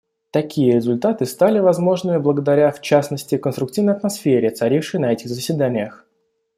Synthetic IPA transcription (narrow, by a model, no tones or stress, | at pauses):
t̪ɐkʲijəɾʲɪzʊlʲt̪at̪ɨst̪alʲɪvɐzmo̞ʐnɨmʲɪblˠəɡəd̪ɐɾʲaft͡ɕasnəsʲtʲɪkənst̪ɾʊk̚tʲivnəjɐt̪mɐsfʲeɾʲɪɐt̪sɐɾʲifʂɨjnɐɛtʲɪɣzəsʲvʲɪd̪anʲɪjəx